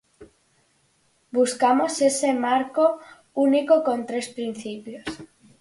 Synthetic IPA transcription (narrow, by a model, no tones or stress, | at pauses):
buskamosesemaɾko | unikokont̪ɾespɾin̟θipjos